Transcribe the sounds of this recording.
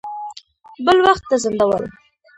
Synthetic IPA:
bəlwaxt̪ːazənd̪awə̰l

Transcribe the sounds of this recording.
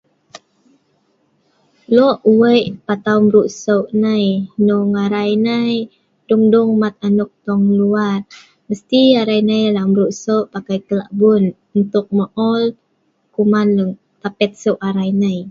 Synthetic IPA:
lɔʔuwəjʔpat̪awmɾuʔsəwʔnəjnuŋaɾajnəj | duŋduŋmat̪̚anuk̚t̪ɔŋluar | məst̪iaɾajnəjlaʔmɾuʔsəwʔpakajkəlaʔbun | unt̪ʊk̚məʔɔl | kumanŋ | t̪apɛt̪̚səwʔaɾajnəj

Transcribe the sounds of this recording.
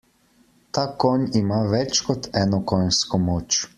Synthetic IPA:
t̪akɔnimaʋɛt͡ʃkɔt̪ɛːnɔkɔjnskɔmoːt͡ʃ

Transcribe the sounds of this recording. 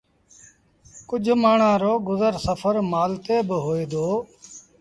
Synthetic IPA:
kʊd͡ʒʱmaːɳãːɾoːɡʊzəɾsəpʰəɾmaːlt̪eːbɦoːeːd̪oː

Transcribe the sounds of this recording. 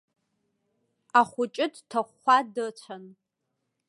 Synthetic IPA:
aχʷʊt͡ʃʼɪdtʰaχʷadɨt͡ɕʷʰan

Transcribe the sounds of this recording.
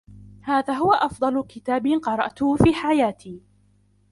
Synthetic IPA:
haːðaːɦʊwaʔɑfd̪ˤɑlʊkɪt̪aːbɪqɑɾˤɑ̰ʔt̪ʊhfiːħajaːt̪ʰiː

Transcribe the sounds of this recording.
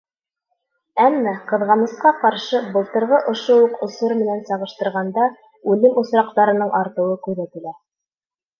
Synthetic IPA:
æmːæqɤ̆ðʁɑnɤ̆sqɑqɑɾʃɤbɤ̆lˠt̪ɤ̆ɾʁɤʔŏʃouqŏsuɾmɘ̆nænsɑʁɤ̆ʃt̪ɤ̆ɾʁɑnd̪ɑ | ʉlɘmusɾɑq̚t̪ɑɾɤ̆nɤɴʔɑɾt̪ɤ̆wɤkʉɾðæt̪ɘ̆læ

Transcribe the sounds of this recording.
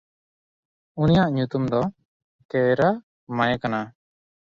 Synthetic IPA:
unijaʔɲut̪umd̪ɔ | kɛɾa | majɛkana

